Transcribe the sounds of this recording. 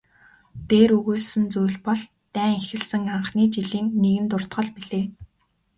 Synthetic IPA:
t̪eːɾɵɣoːsɘ̆nt͡sujɮpɔɮ | t̪æːŋexɘ̆ɮsɘ̆ŋaɴχniːt͡ɕiɮiːŋneɣɘ̆nt̪ʊr̥t̪ɢɞ̆ɮpiɮeː

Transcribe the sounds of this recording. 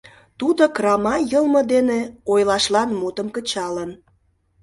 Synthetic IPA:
t̪ud̪okrɑmɑjəlmə̆d̪eneojlɑʃlɑnmut̪əmkət͡ɕɑlən

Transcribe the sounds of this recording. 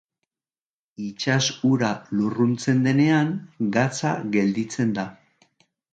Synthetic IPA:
it͡ʃasuɾalurunt͡se̞nd̪e̞ne̞aŋɡat͡sa̰ɣe̞ld̪it͡se̞nd̪a

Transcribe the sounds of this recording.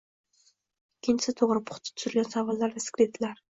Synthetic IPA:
ɪkʲʰːɪnt͡ʃʰɪ̥sɪt̪ʰoʁɾɪpʰʊ̥χt̪ʰɪ̥t̪ʰʊ̥z̥ɾɪlɡʲansavɑlˠːaɾd̪askʲɾed̪ɪlaɾ

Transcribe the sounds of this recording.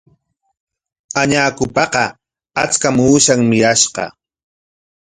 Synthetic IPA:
aɲaːkʊpɑqɑ | at͡skamuːʃaŋmɪjaʃqɑ̰

